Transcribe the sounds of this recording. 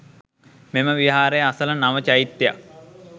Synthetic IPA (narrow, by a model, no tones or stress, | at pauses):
meməʋiɦaːɾejəasələnaʋət͡ʃajit̪ːja̰k̚